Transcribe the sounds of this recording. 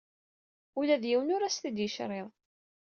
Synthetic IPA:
ulæðjiwnʊɾæsθid̪jəʃɾˤɪðˤ

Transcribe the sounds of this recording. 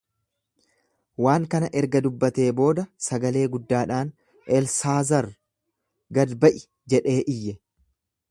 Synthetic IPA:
waːŋkɐnɐʔɛɾɡɐd̪ʊbːɐt̪e̞ːbo̞ːd̪ɐsɐɡɐle̞ːɡʊd̪ːaːᶑaːn | ʔɛlsaːzɐɾ | ɡɐd̪bɐʔɪ | d͡ʒɛᶑe̞ːʔɪjːɛ

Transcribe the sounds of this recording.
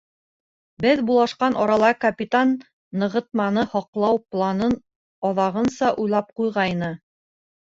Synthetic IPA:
bɘðbulˠɑʃqɑnʔɒɾɑlˠɑkɐpʲit̪anː | ɤ̆ʁɤt̪̚mɑnɤhɒqlˠɑwplˠɑnɤn | ɒðɑʁɤ̆nsɑʔujlˠɑp̚qujʁɑjnɤ

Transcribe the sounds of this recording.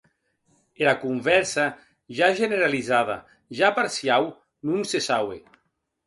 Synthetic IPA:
elakumvɛɾsa | ʒaʒeneɾalizað̞a̰ | ʒapaɾsiaw | nunsesawḛ

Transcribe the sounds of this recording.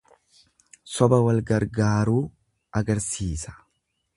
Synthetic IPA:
sɔbɐwɐlɡɐɾɡaːɾuː | ʔɐɡɐɾsiːsɐ̥

